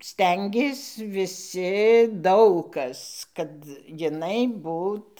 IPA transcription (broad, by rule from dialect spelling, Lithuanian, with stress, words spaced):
ˈsʲtʲɛŋʲɡʲeːs ʋʲɪˈsʲɪ ˈdɐʊk kɐs kɐt jɪˈnɐɪ ˈbuːt